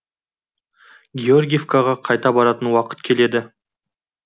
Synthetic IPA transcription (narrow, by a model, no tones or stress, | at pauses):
ɡʲeorɡʲijefkaʁɑqʰɑjt̪ɑbɑɾɑt̪ənwɑqə̥t̪̚kʲʰe̞le̞d̪ɪ